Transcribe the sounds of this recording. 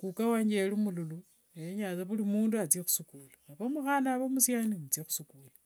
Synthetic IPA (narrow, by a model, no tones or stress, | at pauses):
kukawaɲd͡ʒelimululu | eeɲaːt͡saβulimuːnduat͡siexu̥sukuːlaaβomuxanaβomusjanimut͡siexu̥sukuːla